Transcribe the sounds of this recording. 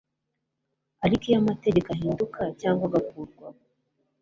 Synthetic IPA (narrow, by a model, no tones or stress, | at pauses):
aɾikijamate̞ɟekaɦiːndukacaːŋɡwaɡakuːɾɡwa